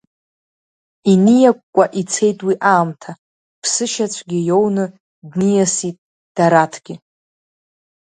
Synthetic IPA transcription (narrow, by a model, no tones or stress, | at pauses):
inijakʷʼkʷːʼaʔit͡sʰe̞jtʼwiʔaːmtʰa | pʰsɨʃat͡ɕʷʰɡʲɪjo̞wnɨ | dnijasitʼ | d̥aɾatʰɡ̥ʲɪ